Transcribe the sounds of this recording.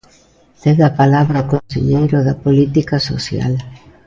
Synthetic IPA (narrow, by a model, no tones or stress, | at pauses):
d̪eðapalaβɾaokõnsḛɲejɾʊðɐpolit̪ikaso̰sja̰l